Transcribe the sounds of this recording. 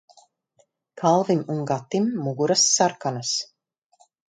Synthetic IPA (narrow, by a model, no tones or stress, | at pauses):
kʰalˠvimunɡat̪ːimːuɡuɾasːaɾkanas